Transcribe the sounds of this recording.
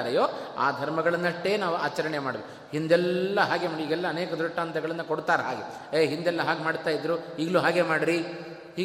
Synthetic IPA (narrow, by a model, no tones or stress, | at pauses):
ɾɐjoːa̰ːd̪ʱɐɾmɐɡɐɭɐnːɐʈːeːnaːʋuaːt͡ʃɐɾɐɳemaːɽɐʋek | ɦind̪ɛlːɐɦaːɡemaːɽiiːɡɛlːɐːneːkɐd̪ɾuʈːaːnt̪ʰɐɡɐɭɐnːɐkoɽt̪aːɾɐɦa̰ːɡe | eːɦind̪ɛlːɐɦaːɡemaːɽt̪aːjid̪ɾuiːɡɐɭuːɦaːɡe̞maːɽɾi | hiː